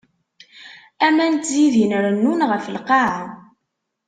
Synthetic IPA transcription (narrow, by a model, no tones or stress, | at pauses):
æmænt̪ziðinɾənːunʁəfəlqɑʕən